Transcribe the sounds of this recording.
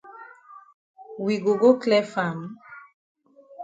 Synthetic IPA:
wi˨ɡo˨ɡo˦klɛ˦fa˨m˦

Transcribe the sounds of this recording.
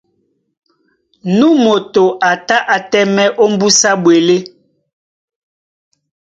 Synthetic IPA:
nũ˦mo˨to˨ʔa˨ta˦ʔa˨tɛ˦mɛ˦ʔo˦m˦bu˦sa˦ɓwe˨le˦

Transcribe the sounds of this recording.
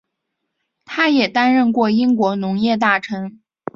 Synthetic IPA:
t̪ʰa˥jɛ˨˩t̪a˥nɻə˥˧nkwɔ˥˩i˥ŋkwɔ˧˥nʊ˧˥ŋjɛ˥˧t̪̬a˥˩ʈ͡ʂʰɤ˧˥ŋ

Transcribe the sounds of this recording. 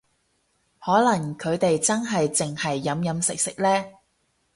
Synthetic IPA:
hɔː˨˥lɐ˨˩ŋkʰɵ˨˧ɥt̪e˨jt͡sɐ˥nɦɐ˨jt͡sɪ˨ŋhɐ˨jːɐ˨˧mjɐ˨˧msɪ˨k̚sɪ˨k̚lɛː˥

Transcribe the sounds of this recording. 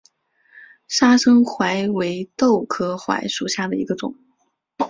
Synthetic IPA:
ʂa˥ʂɤ˥ŋxwa˧˥ɪwe˧˥ɪt̪o˥˩ʊkʰɤ˥xwa̰˧˥ɪʂu˨˩ɕja˥˩d̪ə˩i˧˥ɡə˧ʈ͡ʂʊ̰˨˩˦ŋ

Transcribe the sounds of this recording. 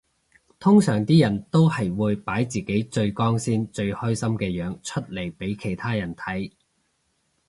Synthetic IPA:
t̪ʰʊ˥ŋsœː˨˩ŋt̪iː˥jɐ˨˩nt̪o˥whɐ˨jwuː˨˧jpaː˨˥jt͡siː˨˩ke˨˥jt͡ʃɵ˧ɥkɔː˥ŋsiː˥nt͡ʃɵ˧ɥhɔː˥jsɐ˥mkɛː˧jœː˨˥ŋt͡ʃʰɵ˥t̚le˨˩jpe˨˥jkʰe˨˩jt̪ʰaː˥jɐ˨˩nt̪ʰɐ˨˥j

